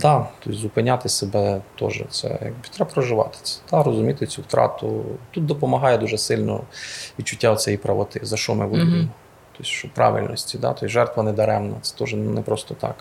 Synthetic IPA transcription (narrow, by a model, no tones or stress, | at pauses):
d̪ɑt̪ɔsʲzʊpɪnʲat̪ɪsebɛt̪ɔ̰ʒɛ̰t̪sɛ̰jɑ̰ɡbɪt̪ɾɛbpɾɔʒɪʋɑ̰t̪ɪ̥t͡s̪ʲɛ̥d̪̥ɑɾɔzʊmʲit̪ɪt͡sʲuwt̪ɾɑ̰t̪ʊ̰t̪ut̪̚d̪ɔpɔmɐɦɑjɛd̪uʒɛsɪlʲnɔ̰ʋʲit͡ʃːʊtʲːaɔt͡sʲɛjipɾɐʋɔt̪ɪzɐʃt͡ʃɔmɪbud̪ɪmmɔ | t̪ɔsʲʃt͡ʃɔpɾʔɑ̰ʋḭlʲnɔsʲtʲid̪ɑ̰t̪ɔsʲʒɛrt̪ʋɐnɛd̪ɐɾɛmnɐ̰t̪sɛ̥t̪ɔʒɛnɛpɾɔst̪ɔt̪ɑ̰k